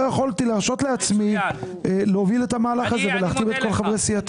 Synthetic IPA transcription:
eχo̞lt̪ilaʁʃo̞t̪le̞at͡smi | leovile̞t̪amaːlaχaze̞veleaχt̪ive̞t̪̚ko̞lχavʁesiat̪

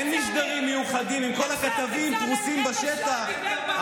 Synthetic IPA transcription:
enmiʃ̬ɡaʁimːejuχad̪imimko̞lakat̪avimt̪ʁusimbaʃet̪aχ

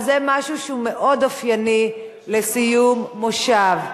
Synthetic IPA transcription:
zemaʃuʃeume̞ʔo̞dafjani | lesijumːoʃav

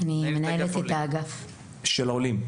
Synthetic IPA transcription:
anime̞nae̞let̪et̪aːɡaf | ʃelolim

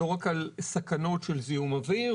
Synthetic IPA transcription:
oʁakalsakano̞tʃelziumavi

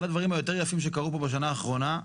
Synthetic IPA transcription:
lad̪vaʁimhajo̞t̪̬e̞ʁjafimʃ̬e̞kaʁupo̞beʃ̬anaːχʁo̞na

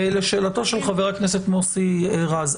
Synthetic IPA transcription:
eleʃeːlato̞ʃelχaveʁakne̞set̪mosieʁaz

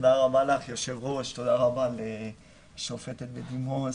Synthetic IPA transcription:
d̪aʁabalaχjoʃevʁoʃt̪od̪aʁabale | ʃofet̪et̪bed̪imo

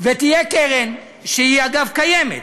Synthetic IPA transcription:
vet̪ijekeʁen | ʃehiaɡavkajemḛt̪

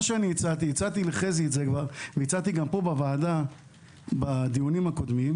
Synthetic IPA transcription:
aʃeanijit͡sat̪̬iit͡sat̪ileχeziːtzekvaʁvejit͡sat̪iɡampo̞bavaːd̪a | bad̪ijunimhako̞d̪mim

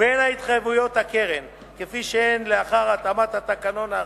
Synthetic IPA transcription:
enhait̪χajevujo̞t̪hake̞ʁem | kefiʃeenleaχaʁat̪amat̪hat̪akano̞na

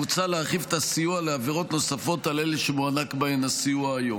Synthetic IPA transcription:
ut͡saleaχifet̪asijualeaviʁo̞tno̞safo̞taleleʃemuanakbaenasiuaːjo

